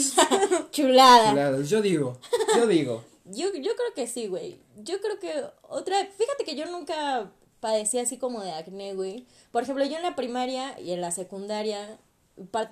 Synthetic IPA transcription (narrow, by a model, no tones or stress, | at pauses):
t͡ʃulaðalaðaʝoðiɣod͡ʒoðiɣo | ʝoʝo̞kɾe̞oke̞siɣwe̞̰j | ɟ͡ʝo̞kɾe̞oke̞o̞̰t̪ɾafixat̪e̞ke̞ʝo̞nũŋka | paðe̞siasiko̞mo̞ðeakneɣwi | poɾexemplo̞ʝo̞enlapɾimaɾjaḭe̞nlase̞kund̪aɾja | paɾ